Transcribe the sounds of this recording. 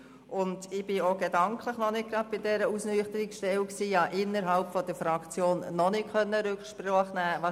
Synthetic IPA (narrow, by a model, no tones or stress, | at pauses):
ʔʊndɪb̥ɪoɡedɑŋkʰləχnɔnɪt̚ɡɾɑd̥̪̚b̥ɪdɛɾəusnyːχtəɾikʃtɛwksiːjɑːʔɪnːəɾɦɑlpfɔd̥əfɾɑkt͡sjoːnːɔnɪtχœnːəɾʏkχʃpɾɔχnæːʋɑ